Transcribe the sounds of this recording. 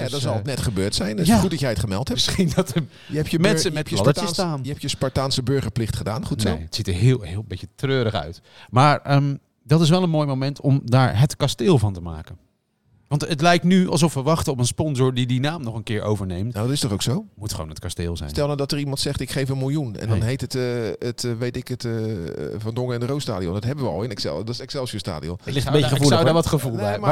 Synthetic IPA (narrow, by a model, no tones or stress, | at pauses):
jadɑzɑlˠnɛtχəbøːɹtsɛjnjaːutdɑtjɛjətχəmɛlˠthɛmsχindɑtə | jəɛpjəmɛnssəmɛlɑdəəsstaːnjəɛpjəspaɹtaːnsəbøɹχəɹplɪχtχəda̰ːnχunseətsitəɹɦɪːlˠɦɪːlˠbecətrøːɾəχœ̰ɥt | maːɹəm | dɑtɪs̬ʋɛlˠənmoːjmowmɛntɔmdaːɹɦətkasteːlˠvɑntəma̰ːkən | ʋɑntətlɛjk̚tnyɑ̰lˠs̬ɔfʋəʋɑχtəɔpənspɔnzʊːɹdidinaːmnɔχənkɪːɹʔo̰wvəɹnejmtnadɔtɪstɔχowksowmutχəʋo̰wnət̚kasteːlˠzɛ̰jsntɛlˠmadɔtərimɑntsɛχtɪkχejfənmɪlˠjunɛ̰ndɔnɦejtətətʋejtɪkət | vɑndɔŋəɪndərowstaːdiɔmdɑtɦɛbəʋəɑ̰lˠɪnɛksɛ̰lˠdɔsɛksɛlˠsəsta̰ːdiɔ̰mɪbejulawdaʋɑtχəvulˠm